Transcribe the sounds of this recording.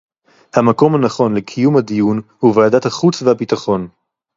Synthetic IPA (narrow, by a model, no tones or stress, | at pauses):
hamako̞mhanaχo̞nlekʰijumhad̪ijunhuvaːdathaχut͡svehabitaχo̞n